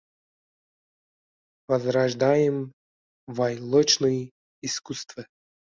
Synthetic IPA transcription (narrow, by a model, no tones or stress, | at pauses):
vɐzɾaʐd̪ajɪm | vajlˠɔt͡ɕnɨj | iskust̪və